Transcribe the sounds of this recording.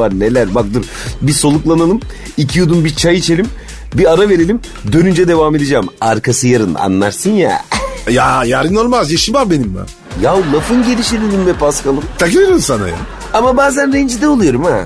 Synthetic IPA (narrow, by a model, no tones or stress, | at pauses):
aɾnelʲæɾbak̚d̪ɯɾ | biso̞lˠuklˠanalˠɯm | icʰijud̪umbit͡ʃʰajit͡ʃʰe̞lʲim | biaɾave̞ɾelʲim | d̪ø̞nynd͡ʒɛd̪e̞vame̞d̪ed͡ʒɛmaɾkʰasɯjaɾɯna̰nːa̰ɾsɯnja̰ːjajaɾɯnolˠmazjaʃimbabenimːa̰ | jawlˠafɯnɟe̞lʲiʃelelʲimbɛpʰaskalˠɯmt̪ʰakɯeɾɯmsana̰ja̰ | amabaːzænɾɛnd͡ʒid̪ɛolˠujo̞ɾuma